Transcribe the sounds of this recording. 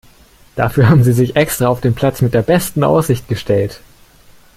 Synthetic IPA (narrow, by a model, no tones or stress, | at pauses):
d̥afyːɐɦaːbm̩ziːzɪçʔɛkstʁ̥aaʊfd̥eːnpʰl̥at͡smɪt̚d̥eːɐbɛstn̩ʔa̰ʊsz̥ɪçt̚ɡ̥əʃtʰɛlt